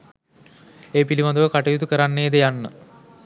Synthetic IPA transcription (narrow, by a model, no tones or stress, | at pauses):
eːpilimad̪uʋəkaʈəjut̪ukəɾanːeːd̪əjanːə